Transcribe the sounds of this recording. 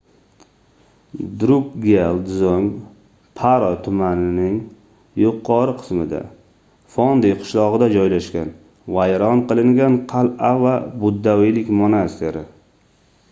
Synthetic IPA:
d̪ɾʊpɡʲelˠd̪zoŋ | pʰaɾɒt̪ʰʊmanɪnɪŋ | jʊqʰːɒɾɨqʰɨ̥smɪd̪a̰ | fɒnd̪ejqʰʊ̥ʃlˠɒʁɨd̪ad͡ʒɒjlaʃkʲan | vajɾɒnqɨlˠɪŋɡʲanqʰɑlavabʊd̪ːawijlɪkʲmonast̪ʰeɾɪ

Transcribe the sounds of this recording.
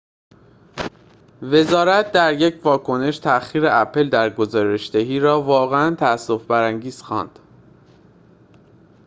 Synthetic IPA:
ve̞zɒːɾæt̪̚d̪æɾje̞cvɒːkʰo̞ne̞ʃt̪ʰæxiːɾeʔæpʰe̞ld̪æɾɡo̞zɒːɾe̞ʃd̪eɦiːɾɒːvɒːɣeænt̪ʰææsːo̞fbæɾæŋɟiːz̥xɒ̰ːnd̪̥

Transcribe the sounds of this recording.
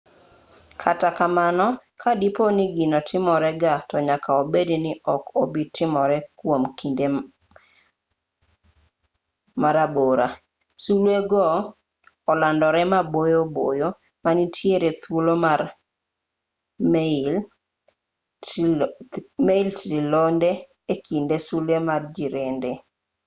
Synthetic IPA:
kʰatakamanɔkʰadiponiɡinɔtʰɪmɔɾɛɡatɔɲakaobedinɪʔɔkobitɪmɔɾɛkwomkinde | maɾaboɾa̰ | sulweɡɔː | landɔɾɛmabojobojo | manitʰjeɾet̪wolomar | m | meiltɾilonde | ekʰindesulemard͡ʒiɾende

